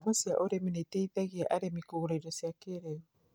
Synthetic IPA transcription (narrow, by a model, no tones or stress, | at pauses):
βosia̰ʔoɾemineteiðaɣiɛʔaɾemikoɣuɾaiɾɔsjakeɾɛɔ